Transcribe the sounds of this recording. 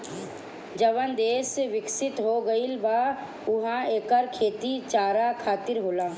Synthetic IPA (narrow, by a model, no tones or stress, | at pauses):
d͡ʒəʋənd̪eːsʋɪksɪt̪ɦoɡəilʋa | ʊɦãeːkəɾkʰeːt̪it͡ʃaːɾakʰaːt̪ɪɾɦoːlaː